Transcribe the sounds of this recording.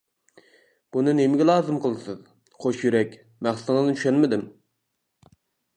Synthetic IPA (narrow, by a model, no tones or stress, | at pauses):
b̥unɨnemɪɡʲɛlˠɑːzɨmqʰəlˠɨsɨz | χʰoʃjyɾɛkʲ | mæχsɨt̪ŋɨznnt͡ʃ̪ʰyʃɛnmɪd̪ɪm